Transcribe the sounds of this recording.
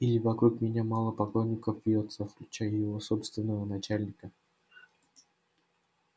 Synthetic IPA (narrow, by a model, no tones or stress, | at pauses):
ilʲɪvɐkɾukmʲɪnʲamɑlˠəpɐklˠonʲːɪkəfvʲjot̪səfklʲʉt͡ɕæjəjɪvoso̞pst̪vʲɪnːəvənɐt͡ɕælʲnʲɪkə